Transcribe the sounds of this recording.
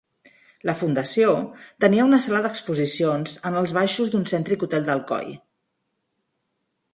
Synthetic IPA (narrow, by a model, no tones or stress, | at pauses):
ləfund̪əsiot̪əniəunəsalaðəkspuzisionzənəlˠzβ̞aʃuzd̪unsɛnt̪ɾikut̪ɛlˠd̪əlˠkɔ̰j